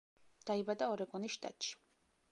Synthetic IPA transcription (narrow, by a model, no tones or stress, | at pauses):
d̪̥aibad̪aɔɾɛkʼɔniʃt̪ʼa̰t̪ʃi̥